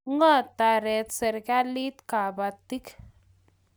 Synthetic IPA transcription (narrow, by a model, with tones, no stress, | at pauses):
ŋa˦t̪a˨ɾe˨t̪se˨ɾka˦li˦t̪ka˨ba˨t̪ːi˦k